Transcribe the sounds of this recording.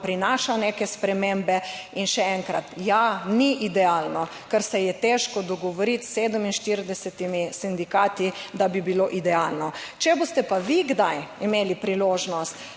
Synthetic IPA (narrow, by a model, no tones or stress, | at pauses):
pɾinaːʃanekɛspɾɛmembɛinʃɛɛŋkɾa̰t̪janiʔid̪ɛalnɔ | kəɾsɛjɛt̪ɛʃkɔd̪ɔɡɔʋɔɾit̪sed̪əminʃt̪iɾd̪ɛsɛt̪imisind̪ikat̪id̪abibiloʔid̪ɛalnɔt͡ʃɛbost̪ɛpaʋiɡd̪ajimeːlipɾiloːʒnɔst̪